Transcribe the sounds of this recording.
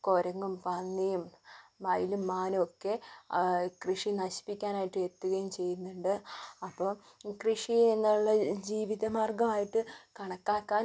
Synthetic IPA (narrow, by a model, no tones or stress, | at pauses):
ko̞ɾɐŋːumpɐnːijummɐjilumːaːnokːe̞ | krɨʂinɐɕi̥pːikʲːaːnaːjiʈːɨe̞t̪ːuɣɐjumt͡ɕe̞jːunːuɳɖɨɐpːoː | krɨʂieŋːɐɭuɭːɐd͡ʑiːʋiðɐmaːrɡɐmaːjiʈːɨkɐɳɐkːaːkːaː